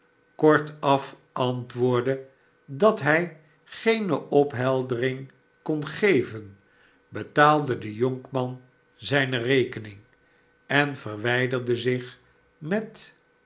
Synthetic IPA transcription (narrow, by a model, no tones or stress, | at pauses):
kɔɹtɑf | ɑntʋʊːɹdə | dɑtɦɛj | χejnəʔɔpɦɛlˠdərɪŋ | kɔnχejvən | bətaːlˠdədəjoŋkmɑn | zɛjnərejkənɪŋ | ɛnvərʋɛjdərdəzɪχ | mɛt